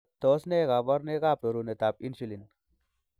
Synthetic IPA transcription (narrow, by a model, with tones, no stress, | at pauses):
t̪osne˦ɣa˨ʋɐ˦ɾne˦ɣaːpɾo˨ɾune˨t̪a˨p̚i˦nʃilin